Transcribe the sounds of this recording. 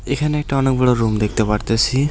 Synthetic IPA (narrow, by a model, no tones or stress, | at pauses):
ekʰaneɛkʈaɔnek̚bɛɽɔɾumd̪ek̚ʰt̪epaɾt̪esʰi